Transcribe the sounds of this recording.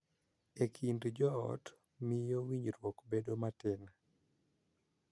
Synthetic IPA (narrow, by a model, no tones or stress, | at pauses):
ekʰindd͡ʒɔɔ̰t | mɪjɔwiɲɾwɔkbedomatɪna